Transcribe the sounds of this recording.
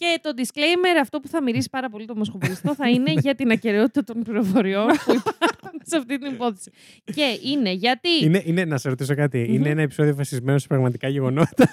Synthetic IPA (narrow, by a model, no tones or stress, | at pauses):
ce̞t̪o̞d̪isklejme̞ɾɐft̪o̞puθɐmiɾisi̥pɐɾɐpo̞lit̪omo̞skopist̪o̞θɐine̞ʝɐt̪inɐce̞ɾeo̞t̪it̪ɐt̪o̞npliɾo̞fo̞ɾio̞npuipɐnseɐft̪it̪inipoθe̥si̥ | ce̞ine̞ʝɐt̪iineʔinenɐsɐsɾo̞t̪is̬o̞kɐt̪iineenɐe̞piso̞ðio̞fɐsizme̞nosi̥pɾɐɣmɐt̪ikɐʝe̞ɣo̞no̞t̪ɐ